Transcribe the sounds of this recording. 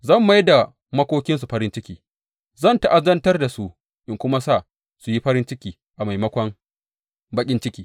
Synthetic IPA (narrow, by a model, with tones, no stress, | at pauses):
zɐ˦˨mːa˦jda˨ | mɐ˦kʷoː˦kʲɪ˦ns̬u˨ɸɐ˦ɾɪ˦nt͡ʃɪ˦kʲiː˨ | zɐ˦˨nta˨ʔa˦zɐ˦ntɐ˦rda˨su˦ | ʔɪ˦ŋkʷʊ˦ma˦sa˦˨ | su˨ji˦ɸɐ˦ɾɪ˦nt͡ʃɪ˦kʲiː˨ | ʔa˨ma˨jmɐ˦kʷɐ˦ŋ | bɐ˦kʲʼɪ˦nt͡ʃɪ˦kʲiː˦